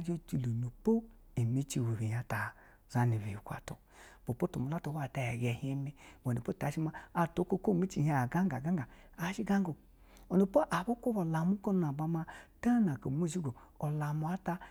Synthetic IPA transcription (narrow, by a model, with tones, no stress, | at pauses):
d͡ʒe˦t͡ʃi˨lu˨nu˨po˦i˨mi˨˦t͡ʃi˧˨we˨βi˨ja˨ta˨ | za˦ni˨βi˨i˨kʷa̰˨to̰˨ | b̥o˨po˦to˨mu˨la˦to˨˧˦wa˦˨ta˧˨ja˨ɡɛ˨he˦me˦wo˨ni˨po˦ta˨˦ʃi˦ma˦a˨to˨˦ko˦ko˦˨mi˦t͡ʃi˨˦a˨ɡa˦ŋɡa˨ɡa˦ɡa˨ | a˨˦ʃi˦ɡa˦ŋɡo˨ | o˨nu˨po˦ʔa˨bo˦kʷo˦βo˨la˨mu˦ko˦n˦a˨ba˧ma˧ta˦na˨ko˨mo˦˨ʃi˦ɡo˨o˨la˨mu˨a˦ta˧